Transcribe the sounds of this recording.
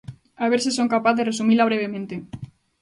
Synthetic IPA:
aβ̞eɾsisoŋkapaθðeresumilaβɾeβ̞emẽnt̪e

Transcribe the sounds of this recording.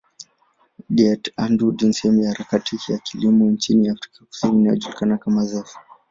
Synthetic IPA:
ɗiɛtandudinsɛɛmujahaɾakatijakilimɔnt͡ʃiniafɾikaku̥siniːnajɔ̰ʄulikanakamazɛfi̥

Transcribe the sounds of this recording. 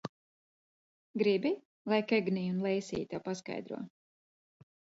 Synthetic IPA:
ɡɾibi | lˠajkɛɡniːunlˠɛjsḭːt̪apaska̰jd̪ɾṵɔ

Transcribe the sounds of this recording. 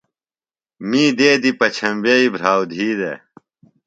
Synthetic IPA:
miːd̪eːd̪ipɐt͡ɕʰɐmbeibʱɾaːwd̪ʱiːd̪ḛ

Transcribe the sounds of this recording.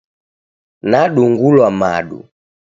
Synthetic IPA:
naɗuŋɡulwama̰ɗṵ

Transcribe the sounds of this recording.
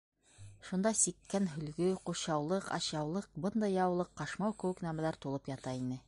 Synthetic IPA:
ʃund̪ɑsikːænɦɵ̆lɡɵquɕɑwlˠɤqɑ̰ɕɑwlˠɤq̚bɤnd̪ɑjɑwlˠɤqːɑʃmɑwkɘ̆wɘ̆knæmælæɾt̪ulˠɤpjɑt̪ɑinɘ

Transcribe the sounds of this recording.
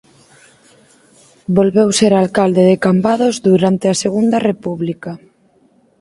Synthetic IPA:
bolβewseɾalkald̪eðekambaðozðuɾant̪easeɣund̪ɐrepuβlika

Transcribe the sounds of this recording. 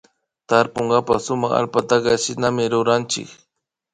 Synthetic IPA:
t̪aɾpʊŋɡapasʊmaχa̰lpat̪akɑʃɪnamɪɾʊɾant͡ʃɪ̰k

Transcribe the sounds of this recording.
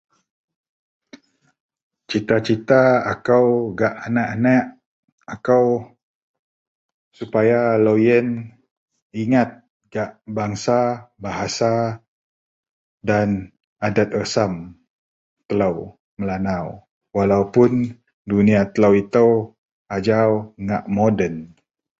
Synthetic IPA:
t͡ʃit̪at͡ʃit̪aakawɡaʔanaʔanaʔ | akaw | supajalojən | iŋat̪̚ | ɡ̥aʔbaŋsabaɦasa | dan | adat̪̚əsam | t̪əlaw | məlanaw | walaupʊn | duniat̪əlawit̪əw | ad͡ʒawŋaʔmodən

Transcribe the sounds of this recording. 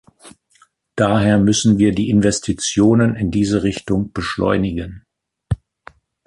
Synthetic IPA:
d̥aːɦeːɐmʏsn̩viːɐdiːʔɪnvɛstʰit͡sjoːnənɪndiːzəʁɪçtʊŋb̥əʃlɔ̰ʏnɪɡən

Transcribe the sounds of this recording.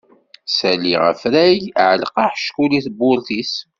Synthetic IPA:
sæliʁə̰fɾæjʕəlqɑħʃkuliθbʊlθis

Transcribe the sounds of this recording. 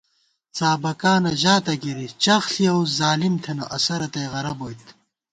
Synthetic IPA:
t͡saːbɐkaːnɐʑaːt̪ɐɡiɾit͡ɕɐxɬiɐwzaːlimt̪ʰenoʔɐsɐɾɐt̪ejʁɐɾɐbojt̪

